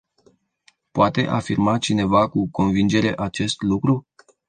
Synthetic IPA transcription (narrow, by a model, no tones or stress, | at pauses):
poat̪e̞̰ʔafirmat͡ʃine̞vakuko̞nvind͡ʒe̞ɾe̞ʔat͡ʃe̞st̪lukɾu